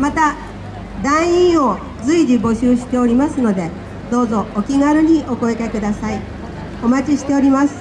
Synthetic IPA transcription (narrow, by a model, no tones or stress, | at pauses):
mat̪a | d̪ãɰ̃ĩɰ̃o̞ | d͡zɨiʑibo̞ɕɨːɕi̥t̪e̞o̞ɾʲimasɨno̞d̪e̞ | d̪o̞ːzo̞ʔokʲiɡaɾɯ̟ɲ̟io̞ko̞ekakɯ̟d̪asai | o̞mat͡ɕiɕi̥t̪e̞o̞ɾʲimasɨ̥